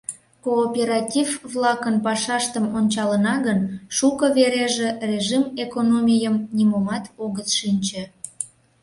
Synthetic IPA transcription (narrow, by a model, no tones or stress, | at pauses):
koːpʲeɾɑtʲivβlɑkənpɑʃɑʃt̪əmonʲt͡ɕɑlənɑɣənʃukəβeɾeʒerʲeʒimekonomʲijəmnʲimomɑt̪oɣət̪ʃinʲt͡ɕe